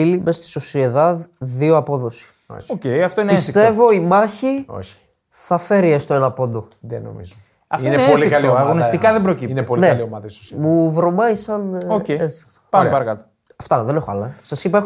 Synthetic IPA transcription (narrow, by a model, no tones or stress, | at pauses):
ilimesɐst̪i̥so̞sieðɐððioɐpo̞ðo̞si̥ | o̰çocejɐft̪oiniest̪e̞vo̞imɐçio̰çi̥ | θɐfe̞ɾiest̪oe̞nɐpo̞nd̪o | ðeno̰mḭzo | ɐfineolikɐlioɐɣonist̪ikɐðebɾocipinepolneɐliomɐðɐiso̥smuvɾo̞mɐisɐnoceet͡st̪o̥pɐpɐɾɐkɐt̪o̥ | ɐft̪ɐðe̞ne̞xoɐlɐsɐsipɐe